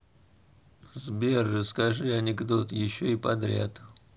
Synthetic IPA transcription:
zbʲerːəskɐʐɨɐnʲɪɡd̪ot̪jɪɕːoipɐd̪ɾʲa̰t̪

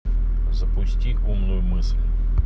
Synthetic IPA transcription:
zɐpʊsʲtʲi | umnʊjʊmɪslʲ

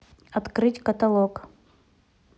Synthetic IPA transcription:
ɐt̪kɾɨtʲkət̪ɐlˠok

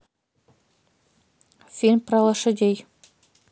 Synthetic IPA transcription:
senpɾɑlˠɑʃəd̪ʲej

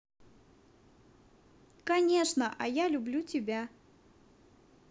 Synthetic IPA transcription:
kɐnʲeʂnəʔɐjalʲʊblʲutʲɪbʲa

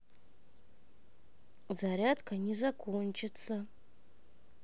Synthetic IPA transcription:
zaɾʲatkʰanizakʷʰont͡ʃʰɪt͡sʰa

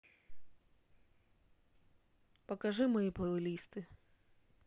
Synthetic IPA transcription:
pɐkɐʒɨmɔjipɔʊlʲist̪ɨ

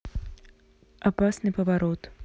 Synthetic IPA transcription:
apasnɨpɐvaɾɔt̪

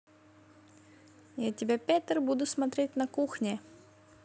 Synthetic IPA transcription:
jatʲɪbʲapʲat̪ʲərbud̪ʊsmɐt̪ɾʲetʲnɐkuxnʲɪ

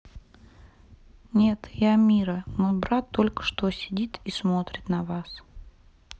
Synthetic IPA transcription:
nʲe̞t̪jamʲiɾənojbɾat̪ːo̞lʲkə̥ʂt̪osʲɪdʲit̪ismo̞t̪ɾʲɪt̪nɐvas

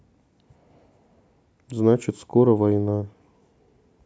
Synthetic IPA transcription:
znat͡ʃɪt̪ʲskoɾɐvɐjna

